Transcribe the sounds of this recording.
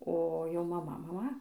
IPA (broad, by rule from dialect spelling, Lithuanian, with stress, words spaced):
oː ˈjɛʊ mɐˈmɐ mɐˈmɐ